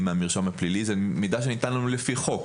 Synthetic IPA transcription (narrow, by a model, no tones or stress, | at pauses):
meamiʁʃomhaplilizemid̪aʃ̬enit̪anlolefiχo̞k